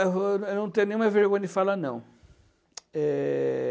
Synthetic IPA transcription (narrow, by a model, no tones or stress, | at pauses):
vwewnɐ̃w̃t̪ẽjʊnẽɲũmɐveɾɡõj̃ɐd͡ʒɪfalanɐ̃w̃ | ɛ